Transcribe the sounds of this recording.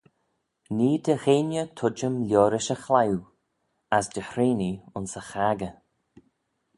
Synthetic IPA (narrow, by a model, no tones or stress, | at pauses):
niːd̪əɣeːnjət̪ʰʊd͡ʒəmlʲɔːɾɪʃəxlaw | asd̪əhɾeːniʊnsəxaːɡə